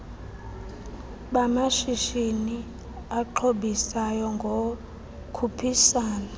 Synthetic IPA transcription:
ɓamaʃiʃini | aǃʰoɓisajɔŋɡʱo | kʰupʰisaːna

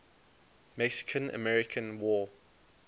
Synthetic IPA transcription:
mɛksɪ̥kʰə̃nə̰mɛɹɪkʰə̃nwɔ

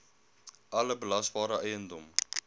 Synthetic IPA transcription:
ʔɐləbəlɐsvɑːɾəʔɛjəndɔm

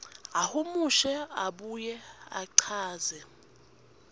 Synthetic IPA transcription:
ahumuʃɛaɓujɛa̰ǀʰaːzɛ

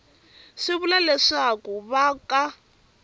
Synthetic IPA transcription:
ʂiβulalɛʂakuβaka

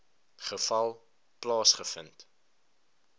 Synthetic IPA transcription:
χəfɐlˠ | plɑːsχəfənt

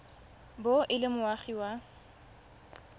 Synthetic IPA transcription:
boʔɪlɪmʊwaχiwa

